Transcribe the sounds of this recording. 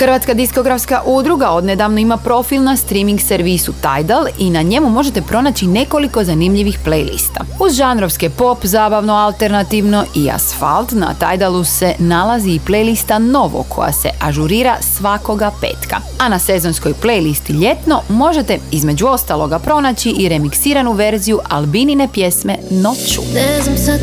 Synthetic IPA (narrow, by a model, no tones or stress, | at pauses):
xrɾʋat̪skad̪isko̞ɡɾafskaʔud̪ɾuɡao̞d̪ned̪aʋnoimapɾo̞filˠnast̪ɾimiŋɡseɾʋisut̪ajd̪alˠinaɲe̞mumo̞ʒet̪e̞pɾo̞nat͡ɕine̞ko̞liko̞zanimʎiʋixplejlḭst̪a̰uzʒanɾo̞ʋskepo̞pzaːbaʋnoalˠt̪e̞ɾnat̪iʋno̞ʔia̰sfa̰lˠt̪na̰t̪a̰jd̪alˠuse̞nalaziːple̞jlist̪ano̞ʋo̰kʰo̞̰ja̰se̞̰ʔaʒuɾiːɾasʋako̞ɡape̞̰ːt̪ka̰ | anase̞zo̞nsko̞jplejlist̪iʎe̞t̪no̞mo̞ʒe̞t̪e̞izme̞d͡ʑuo̞st̪alˠo̞ɡapɾo̞nat͡ɕiʔiɾe̞miksiːɾanuʋe̞ɾzijuʔalˠbinine̞pje̞smeno̞t͡ɕṵ